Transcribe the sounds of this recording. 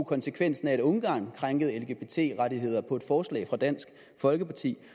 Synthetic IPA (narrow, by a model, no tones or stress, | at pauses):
kʰɒ̽nsəkʰʋen̰sn̩æe̝d̥ɔ̽ŋɡ̥ɑ̰̈ːnkʰʁɑ̈ŋɡ̥əð̞̩ˠelɡ̥e̝̥e̝t͡sʰe̝̰ːʁɑ̈ɾiɦe̝ð̞̰ˠɐpʰɒ̽e̝d̥fɒːslɛ̰ɪfʁɑ̈d̥æn̰sɡ̥ | fɒ̽lɡ̥əpʰɑ̈t͡sʰḭː